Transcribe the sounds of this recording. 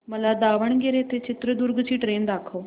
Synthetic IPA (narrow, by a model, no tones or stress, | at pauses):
məlaːd̪aːʋəɳɡeɾeːt̪eːt͡ʃɪt̪ɾəd̪ʊɾɡt͡ʃʰiːʈɾeːnd̪aːkʰoː